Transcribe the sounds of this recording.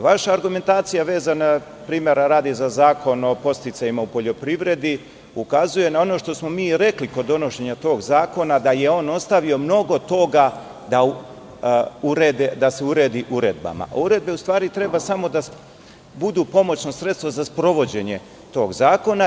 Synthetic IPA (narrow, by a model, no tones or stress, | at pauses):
ʋaʃaːɾɡume̞nt̪aːt̪sijaʋe̞ːzana | pɾiːme̞ɾaɾaːd̪izazaːko̞nopo̞st̪it̪sajimaupo̞ʎo̞pɾiʋɾe̞d̪i | ukazuje̞nao̞no̞ʃt̪o̞smo̞miːɾe̞kliko̞d̪ːo̞no̞ʃe̞ɲat̪o̞ːɡzaːko̞nad̪ajeo̞ːno̞st̪aʋio̞mno̞ɡo̞t̪o̞ɡa | d̪a | uɾeːd̪ed̪ase̞uɾed̪iʔuɾe̞d̪̚ba̰ma̰ʔuɾe̞d̪̚be̞ust̪ʋaːɾit̪ɾe̞basamo̞d̪a | bud̪uːpo̞mo̞t͡ɕno̞sɾe̞t̪st̪vozaspɾo̞ʋo̞d͡ʑe̞ɲe̞ | t̪o̞ːɡzaːko̞na